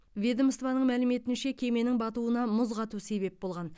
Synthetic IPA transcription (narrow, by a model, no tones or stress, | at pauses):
vʲe̞d̪əməst̪vɑnəɴmælɪme̞t̪ɪnʃe̞kʲʰe̞me̞nɪŋbɑt̪uənɑmʊzʁɑt̪use̞βe̞p̚bo̞lˠʁɑn